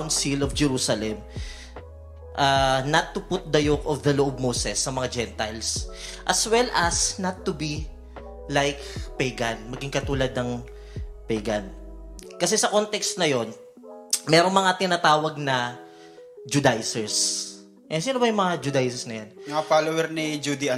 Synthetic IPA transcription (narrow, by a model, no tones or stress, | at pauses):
wnsilɔfd͡ʒɛɾuːsɐlɛm | ʔanɐt̪ːʊpʊt̪̚d̪ɐjokɔvd̪ɐloʔb̚moːsɛsːɐmɐŋad͡ʒɛnt̪ajlsʔɐswɛlʔɐsnɐt̪ːʊbi | lajkpɛjɡɐnmɐɡɪŋkɐt̪uːlad̪̚nɐŋ | pɛɡɐnkɐs̬ɛsɐko̞nt̪ɛkst̪nɐjo̞n | mɛɾoŋmɐŋat̪ɪnat̪aːwɐɡ̚nɐ | d͡ʒʊd̪ajsɛɹs | ʔɛsiːnobɐjʊŋmɐŋad͡ʒʊd̪ajsɛsnɐjanmŋafalowɛɾnid͡ʒud̪ia